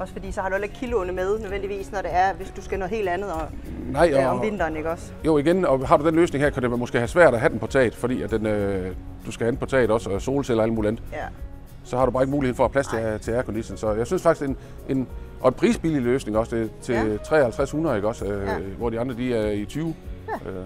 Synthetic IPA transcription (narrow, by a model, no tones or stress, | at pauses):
ɒ̽sfɒdḭːsɒhɑ̈ɾuæleɡ̥̚kʰilonəmeðˠnøðˠʋen̰d̥iʋḭːsnɒɾ̥e̝æɐʋe̝sd̥usɡ̥ænoe̝̰ːld̥ænð̩ˠɒnɑ̈ɪ̰ɒɒmʋe̝n̰d̥ɐːneɡ̥ɒ̽s | jo̝̰ːiɡ̥enɒ̽ɦɑ̈ɾ̥ud̥enløːsne̝ŋhḛɐkʰædemo̽sɡ̥e̝̰ːhæsʋæɐ̰ɾ̥æɦæd̥enpʰɒ̽t͡sʰɛ̰ːd̥ˠfɒ̽d̥ḭːæd̥enø | d̥usɡ̥æhæ̥npʰɒ̽t͡sʰɛ̰ːd̥ɒ̽sɒso̝ːlselɐælmṵːliænd̩ˠ | sɒ̽hɑ̈ɾ̥ubɑ̈ːeɡ̥muːlihḛfɒæpʰlæst͡sʰe̝t͡sʰe̝æɐkʰo̽nd̥isən̩sɒ̽jɑɪsynsfɑ̈ɡ̥i̥sen | ʔe̝nʔɒ̽e̝npʰʁiːsb̥ililøːsne̝ŋɒ̽sd̥ʰe̝t͡sʰe̝t͡sʰʁɛ̰ːhælt͡sʰʁashunɐðˠeɡ̥ɒ̽søʋɒd̥iɑ̈nd̥ʁɐd̥iæɐit͡sʰyːʊø